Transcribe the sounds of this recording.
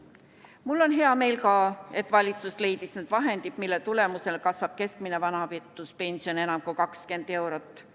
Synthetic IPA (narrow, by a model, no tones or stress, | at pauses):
mulːo̞nɦe̞ɑme̞jlkɑːe̞t̪ːvɑlʲit̪susle̞jd̪̥isned̪̥vɑɦe̞nd̪id̪̥milːet̪ule̞muse̞lkɑsvɑb̥̚ke̞skmine̞vɑnɑvit̪ːˑuspe̞nʲsio̞ne̞nɑmkujkɑkske̞nd̪̥e̞wɾot̪ːˑ